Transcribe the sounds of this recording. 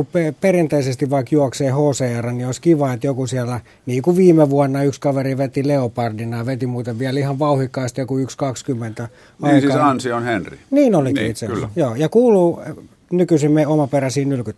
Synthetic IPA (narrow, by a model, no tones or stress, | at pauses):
uppeperint̪eisest̪iʋʋɑikjuɑkseːhoːseɑrɑnnioˑiskiʋɑet̪jokusiælːæ | niːkuʋiːmeʋuɑnːɑykskɑʋeriʋet̪ileopɑrdinɑjɑʋet̪imuːt̪eʋʋiælihɑʋʋɑuhikːˑɑist̪jokuykskɑkskymːent̪æ | ɑiskːɑsɑnsionhenrḭniːnoliḭit̪sejoːjɑkuːluː | nykysimmeomɑperæsiːnylkyt̪ː